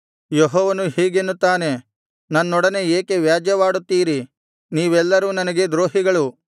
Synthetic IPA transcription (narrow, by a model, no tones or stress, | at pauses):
jɔɦɔːʋɐnuhiːɡenːut̪ːaːne̞ | nɐnːɔɽɐne̞eːke̞ʋjaːd͡ʒjɐʋaːɽut̪ːiːɾi | niːʋɛlːɐɾuːnɐnɐɡe̞d̪ɾoːɦiɡɐɭu